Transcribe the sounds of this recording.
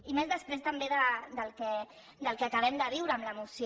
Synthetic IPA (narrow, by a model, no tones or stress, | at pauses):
imezðəspɾest̪əmbeðəd̪əlˠkɛ | d̪əlˠkeakəβ̞ɛmd̪əβ̞iwɾəːmləmusj